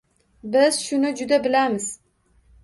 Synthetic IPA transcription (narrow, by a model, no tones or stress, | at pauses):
bɪz̥ʃʊnɪd͡ʒʊd̪abɪlamɪz̥